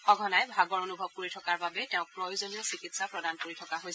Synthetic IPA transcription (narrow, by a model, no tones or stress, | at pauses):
xɔɡʱɔnajbʱaɡɔɹonubʱɔkoɹitʰɔkaɹbabɛteʊ̃kɹɔjzoniɔsikitsapɹɔdankoɹitʰɔkaɦojɛ